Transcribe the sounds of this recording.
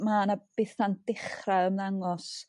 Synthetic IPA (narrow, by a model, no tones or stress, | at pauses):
manab̥ɪθand̥ɪχraəmðaŋɔs